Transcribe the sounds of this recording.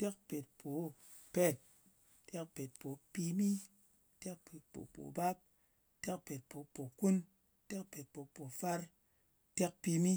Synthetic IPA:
te˦k̚pe˨t̚pʰo˨˦ | pe˦t̚ | te˦kpe˨t̚po˨pi˧mi˦ | te˦k̚pe˨t̚po̰˨po̰˨ba˦p̚ | te˦kpe˨t̚po˨˦po˨ku˦n | te˦k̚pe˨t̚po˨po˨fa˦ɾ | te˦k̚pi˧mi˦

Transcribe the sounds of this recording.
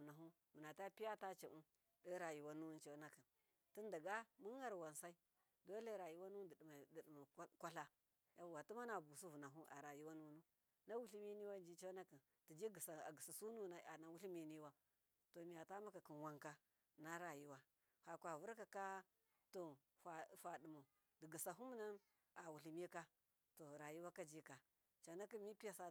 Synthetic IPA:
u˨na˨ɦu˦ | mu˨na˨ta˦pi˦a˦ta˦t͡ʃa˨ʔu˦ | də˦ɾa˨ji˨wa˦nu˦wu˦nt͡ʃe˦na˦ki˨n | ti˦nda˨ɡa˦mu˦ŋ˦ɡa˦ɾwa˨nsa˦i˦ | do˦le˦ɾa˨ji˦wa˦nu˦dma˨dɗma˨˦kʷa˦ɬa˦ | ja˦˨wa˨tu˦ma˦na˨bu˨su˦vu˨na˨ɦu˦ʔa̰˨ɾa˨ji˦wa˦nu˦nu˦ | na˦wu˦ɬi˦mi˦ni˦wa˦d͡ʒi˦t͡ʃe˦a˦ki˨n | ti˨d͡ʒi˦ɡi˨sa˨a˨ɡi˨sa˨su˦nu˦˨na˨a˨na˨wu˦ɬi˦mi˦ni˦wa˦ | to˨mi˨ja˨ta˦ma˦ka˨ki˨nwa˦ŋka˦ | na˦ɾa˨ji˦wa˦ | ha˨kʷa˨vu˦ɾka˨ka˦ | to˨ | fa˨fa˨di˨ma˨ | di˨ɡi˨sa˨ɦu˦m˦na˦ | a˨wu˨ɬi˨mi˦ka˦ | to˨ɾa˨ji˦wa˦ka˦d͡ʒi˦ka˨ | t͡ʃa˨˦na˦ki˦mi˦pi˦ja˨sa˦

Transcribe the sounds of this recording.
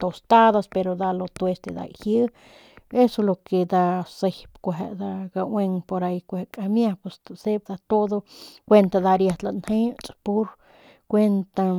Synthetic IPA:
t̪o˨st̪a˦d̪a˧spe˧ɾo˧d̪a˧lo˧t̪o˧e˧st̪e˧d̪a̰˧jhjɨ˦ | e˦so˧lo˧ke˧d̪a˧se˧jpkʷaɦe˧ʔd̪a˧ɡa˧we˧ŋpo˧ɾa˧jkʷahe˧kʼa˧mja˦pwe˧sse˦b̚d̪a˧t̪o˦d̪o˧kʷe˧nt̪a˧d̪a˧ɾja˧t̪la˧nhe˦t͡sʼpu˦ɾ | kʷe˦nt̪a˧

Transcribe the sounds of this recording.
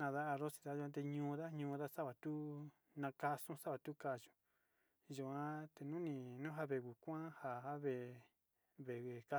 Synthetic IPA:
nã˧ða˦a˧ɾo˦si̥˧ða˦ʒu˧ã˧t̪e˧ɲũː˦ða˦ɲũː˧ða˦sa˦βa˨t̪u˦ | nã˧ka˧sũ˦sa˦βa˨t̪u˦ka˧˨ʒu̥˨ | ʒu˧ã˦t̪e˨nũ˦nĩ˧˨nũ˦ɦa˧βe˧˨ɣu˨kʷã˦ha˧ha˦βe˧˨ | βe˨e˨ka˦

